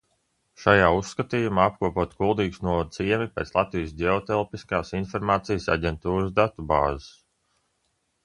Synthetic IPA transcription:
ʃajaːusːkat̪iːjumaːap̚kuɔpuɔt̪ɡulˠd̪iːɡsnuɔvad̪iɛmipʲeːt̪slˠat̪vijsdʲeɔt̪ɛlˠpiskaːsinfɔɾmaːt̪sijəsa̰ɟʲɛnt̪uːɾsd̪at̪uba̰ːzəs

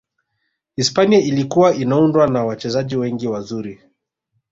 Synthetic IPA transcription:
ispaniailikuwaʔinaundwanawat͡ʃɛzaʄiwɛŋɡiwazuɾi

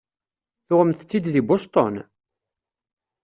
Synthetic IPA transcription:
θʊʁəmθət͡sːid̪ðibost̪ˤɔ̰n

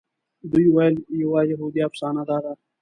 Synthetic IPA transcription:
d̪uiwaljiwaːjɐɦuːd̪ijaːfsaːnaːd̪aːd̪aː

